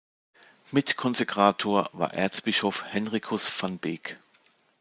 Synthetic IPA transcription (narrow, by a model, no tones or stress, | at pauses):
mɪtkʰɔnzɛkʁ̥aːtʰoːɐva̰ːɐʔɛ̰ːɐt͡sb̥ɪʃofhɛnʁikʰʊsfanbɪːk